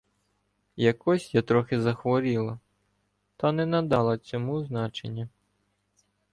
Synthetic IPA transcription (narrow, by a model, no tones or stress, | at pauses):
jɐkɔsʲjat̪ɾɔxɪzɐxʋɔɾʲilˠɐ | t̪ɐnɛnɐd̪ɑlˠɐt͡sʲɔmuznɑt͡ʃḛnʲːɐ